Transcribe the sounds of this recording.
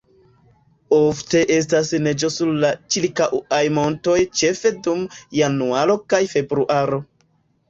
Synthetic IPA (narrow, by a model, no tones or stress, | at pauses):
o̞fte̞ʔe̞s̬tasne̞d͡ʒo̞suɾlat͡ʃilkaʔajmo̞nto̞jt͡ʃe̞fe̞dumjanuaɾo̞kajfe̞bɾuʔaɾo̞